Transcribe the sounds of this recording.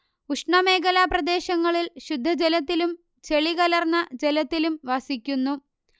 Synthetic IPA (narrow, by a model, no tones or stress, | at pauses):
uʂɳɐme̞ːɡɐlaprɐd̪e̞ːɕɐŋːɐɭilɕud̪ʱːɐd͡ʑelɐt̪ːilum | t͡ɕe̞ɭiɣɐlɐrnːɐd͡ʑe̞lɐt̪ːilumʋɐsikʲːunːu